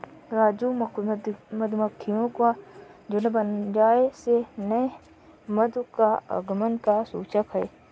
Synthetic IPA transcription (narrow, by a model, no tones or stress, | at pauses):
ɾaːd͡ʒumd̪məd̪məkʰːijõkad͡ʒʊnbənd͡ʒaːesenəe | məd̪kaə̰ɡmənkasuːt͡ʃəkɦɛː